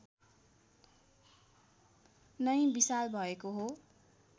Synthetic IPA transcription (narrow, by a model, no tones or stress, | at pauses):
nʌjbisalbʱʌekoɦo